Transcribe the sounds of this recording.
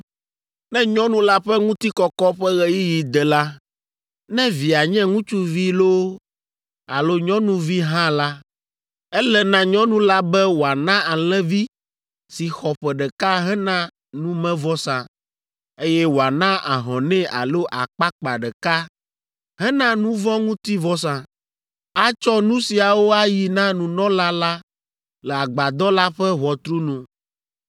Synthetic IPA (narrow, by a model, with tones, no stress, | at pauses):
nɛ̃˦ɲɔ̃˦nũ˦la˦ɸɛ˦ŋũ˦t̪i˦kɔ˦kɔ˦ɸɛ˦ɣɛ˦ji˦ji˨d̪ɛ˨la˦ | nɛ̃˦vi˨a˨ɲɛ̃˦ŋũ˦t͡ʃu˦vi˦lo˦ | a˨lo˦ɲɔ̃˦nũ˦vi˦ɦã˦la˦ | ɛ˦lɛ˨nã˦ɲɔ̃˦nũ˦la˦bɛ˦wo˨a˨nã˦a˨l̃ɛ̃˦vi˦ | si˨xɔ˨ɸɛ˨ɖɛ˨ka˦ɦɛ˦nã˦ | nũ˦mɛ̃˦vɔ˦sã˨ | e˦jɛ˦wo˨a˨nã˦ʔa̰˨ɦɔ̃˨nɛ̃˦a̰˨lo˦ʔa˨k͡pa˦k͡pa˨ɖɛ˨ka˦ | ɦɛ˦nã˦nũ˦vɔ̃˦ŋũ˦t̪i˦vɔ˦s̬ã˨ | a˦t͡ʃɔ˦nũ˦si˨a˨wo˦a˦ji˨nã˦nũ˨nɔ̃˦la˦la˦ | lɛ˨a˨ɡ͡ba˨d̪ɔ˦la˦ɸɛ˦ɦɔ˨t̪ɾu˦nũ˦